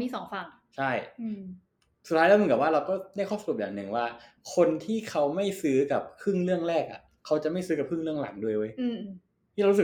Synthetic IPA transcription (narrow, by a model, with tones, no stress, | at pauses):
miː˧˥sɔː˩˦ŋfaː˨˩ŋ | t͡ɕʰa˥˩j | sʰaː˧˥lɛː˦˥m˧˩ka˨˩waː˥˩ɾa˧wkɔː˥˩da˥˩jkʰɔː˥˩sa˧ɾu˨˩p̚jaː˨˩ŋnɯ˨˩ŋwaː˥˩ | kʰo˧nt̪ʰiː˥˩kʰa˦˥wma˥˩jsɯː˦˥ka˨˩p̚kʰɯ˥˩ŋlɯ˥˩əŋɾɛː˥˩k̚a̰˨˩ | kʰa˦˥wt͡ɕa˨˩ʔma˥˩jsɯː˦˥ka˨˩p̚kʰɯ˥˩ŋlɯ˥˩əŋla̰˩˦ŋdu˧˩əjwoː˧j̪ʰ | iː˥˧a˧u˦˥sɯ˨˩